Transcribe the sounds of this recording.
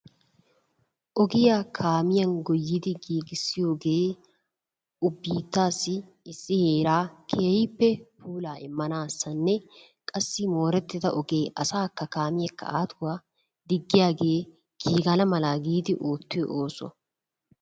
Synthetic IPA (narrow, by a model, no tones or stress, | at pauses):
ʔɔɡɪjaːkʰaːmɪjɐnɡɔjːɪd̪ɪɡiːɡɪsːɪjoːɡe̞ː | ʊbːiːt̪ːaːsɪ | ɪsːɪheːɾaːkʰeːjpːɛpuːlaːʔɪmːɐnaːsːɐnːɛ | kʼɐsːɪmo̞ːɾɛt̪ːɪt̪ɐʔɔɡeːʔɐsaːkːɐkaːmɪjɐkːɐ̰ʔaːt̪ʰʊwaː | d̪ɪɡːɪjaːɡe̞ː | ɡ̥iːɡɐlɐmɐlaːɡiːd̪ɪʔoːt̪ːɪjɔʔoːsɔ̰